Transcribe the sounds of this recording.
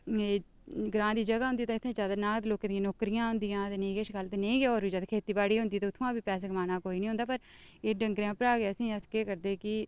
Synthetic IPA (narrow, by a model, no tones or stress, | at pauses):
e | ɡɾãːd̪iːd͡ʒəɡaːʊ̃nd̪iːt̪ãːɪt̪ʰːẽːd͡ʒaːd̪aːnãːt̪ːloːkːɪt̪ːjãːnoːkɾijãːɦʊ̃nd̪ijãːt̪eːneĩːɡeːʃkəlt̪eːneĩːɡeːoːɾbiːd͡ʒaːd̪kʰeːt̪iːbaːɽiːɦʊ̃nd̪iːt̪eːʊt̪ʰõãːbiːpɛːs̬eːkmaːnaːkoːiːnĩːɦʊnd̪aːpəɾ | eːɖəŋɡɾjãːpəɾaːɡeəsĩːəskeːkəɾd̪eːkɪ